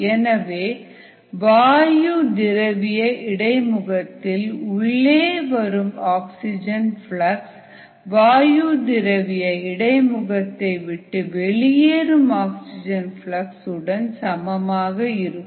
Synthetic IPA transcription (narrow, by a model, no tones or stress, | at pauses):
ɛnɐʋeː | ʋaːjud̪ɪɾɐʋɪjɐɪɽɐɪmʊɣɐt̪ːɪlʊɭːeːʋɐɾɯmaːksɪd͡ʒɐnfɭɐks | ʋaːjud̪ɪɾɐʋɪjɐɪɽɐɪmʊɣɐt̪ːɐɪʋɪʈːɯʋɛɭɪjeːɾɯmaːksɪd͡ʒɐnfɭɐksɯɽɐnsɐmɐmaːɣɐɪɾɯkː